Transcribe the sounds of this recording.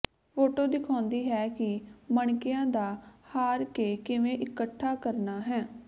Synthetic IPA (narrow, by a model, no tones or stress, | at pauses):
foːʈoːd̪ɪkʰɔ̃ːnd̪iːɦɛːkɪməɳkɪjãːd̪aːhaːɾkeːkɪʋẽːʔɪkəʈʰːaːkəɾnaːɦɛː